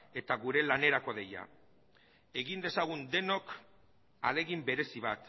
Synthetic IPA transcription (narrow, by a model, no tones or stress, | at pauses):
e̞t̪aɣuɾe̞lane̞ɾako̞ðe̞ja̰ | e̞ɣind̪e̞saɣ̞und̪e̞no̞k | a̰le̞ɣimbe̞ɾe̞siβat̪